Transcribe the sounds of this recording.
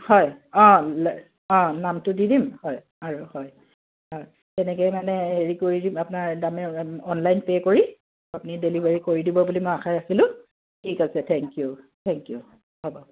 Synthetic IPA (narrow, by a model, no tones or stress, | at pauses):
hɔjɔ̃l | ɔ̃namtʊdidimhɔj | aɹuhɔj | ɔ̃ | tɛnɛkɛjmanɛeɹikoɹidimapʊnaɹdamɛɔnlajnpekoɹi | apʊnidelibaɹikoɹidibɔbulimojaxʰajasilʊ̃ | tʰikasɛtʰɛŋkiju | tʰɛŋkiju | habɔ